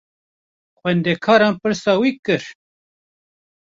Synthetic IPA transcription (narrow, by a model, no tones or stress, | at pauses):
xwɛnd̪ekʰɑːɾɑːnpɨɾsɑːwiːkɨɾ